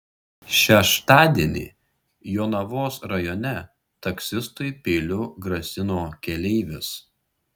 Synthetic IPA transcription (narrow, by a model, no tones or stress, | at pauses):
ʃʲɛʃt̪ɑːd̪ʲiɛnʲḭː | joːnɐʋoːsɾɐjɔnʲɛ | t̪ɐksʲɪst̪ʊɪpʲeːlʲʊɡɾɐsʲɪnoːkʲɛlʲɛɪʋʲɪs